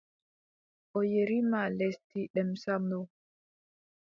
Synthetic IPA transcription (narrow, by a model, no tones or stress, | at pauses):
ʔɔjeɾimalestiɗɛmsamɔ